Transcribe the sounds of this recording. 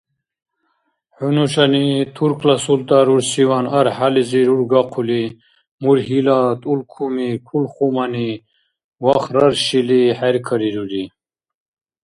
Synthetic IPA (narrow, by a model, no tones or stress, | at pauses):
ħunuʃanit̪ʰuɾkʰlasult̪ʼaɾuɾsiwanaɾħaliziɾuɾɡaqʰuli | muɾɦilat̪ʼulkʰumikʰulχumani | waχɾaɾʃiliħɛɾkʰəɾiɾuli